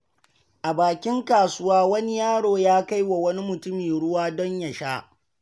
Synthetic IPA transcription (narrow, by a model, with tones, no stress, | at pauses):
ʔa˨baː˨kʲɪ˦ŋkaː˨sʊ˦waː˦wɐ˦ni˦jaː˦ɽoː˨jaː˦ka˦jwa˨wɐ˦ni˦mʊ˨tʊ˦miː˨ɽʊ˦waː˦dɔ˦ɲja˨ʃaː˦